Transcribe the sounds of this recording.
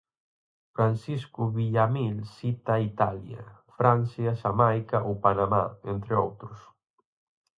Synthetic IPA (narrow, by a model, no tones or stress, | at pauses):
fɾansiskʊβiʎamilsit̪ait̪alja̰fɾan̟θjasamajkaʔowpanama̰ent̪ɾɪowt̪ɾʊs